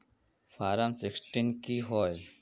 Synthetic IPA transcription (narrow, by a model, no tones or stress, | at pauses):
fʰaːɾəmsɪksʈinkiɦoːj